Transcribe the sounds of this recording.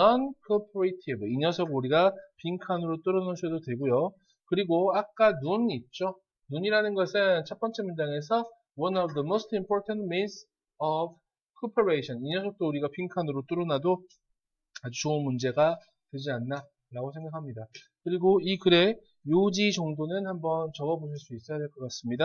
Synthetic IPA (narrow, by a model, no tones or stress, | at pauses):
nʌnkʰʌpʰɯɾetʰibɯiɲʌsʰʌɡuɾiɡapiŋkʰanɯɾot͈ɯɾʌnasʰʌdotwe̞ɭɡojo | kɯɾiɡoak̚k͈anunit̚t͡ɕ͈o | nuɲiɾanɯnɡʌsʰɯnnt͡ɕʰʌp͈ʌnt͡ɕ͈ʰe̞mund͡ʑaŋe̞s̬ʰʌ | wʌnʌvdʌmostʰimpʰoɾtʰantmis | ʌb | kʰopʰeɾeiɕʰʌniɲʌsʰok̚t͈ouɾiɡapʰiŋkʰanɯɾot͈uɾɯnado | ad͡ʑut͡ɕoɯnmund͡ʑe̞ɡa | twe̞d͡ʑianːa | ɾaɡosʰe̞ŋɡakʰamɲida | kɯɾiɡoikɯɾe̞ | jod͡ʑit͡ɕʌŋdonɯnhambʌnt͡ɕʌɡʌboɕ̬ʰiɭs͈uis͈ʌjadwe̞ɭk͈ʌk͈as͈ɯmɲida